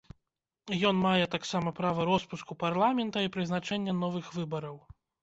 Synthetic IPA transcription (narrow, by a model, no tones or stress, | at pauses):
jɔnmajɛt̪aksamɐpɾavɐɾɔspuskuparlˠamʲɛnt̪ɐipɾɨznat͡ʂɛnʲːɛnɔvɨxvɨbɐɾɐw